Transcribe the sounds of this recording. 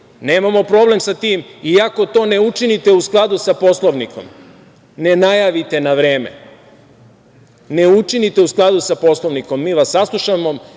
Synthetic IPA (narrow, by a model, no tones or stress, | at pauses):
ne̞ːmamo̞pɾo̞ːble̞msat̪iːmiako̞t̪o̞ːne̞ut͡ʃinit̪e̞usklˠad̪usapo̞slˠo̞ʋniko̞̰m | ne̞najaːʋit̪e̞naʋɾeːmḛ | ne̞ut͡ʃinit̪e̞usklˠad̪usapo̞slˠoʋniko̞mːiːʋasːaslˠuʃamo̞